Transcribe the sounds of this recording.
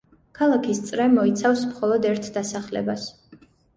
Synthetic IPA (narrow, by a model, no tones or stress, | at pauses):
kʰalˠakʰist̪sʼɾɛmɔit̪sʰafsmχɔlˠɔd̪ɛɾt̪ʰd̪asaχlɛ̰bas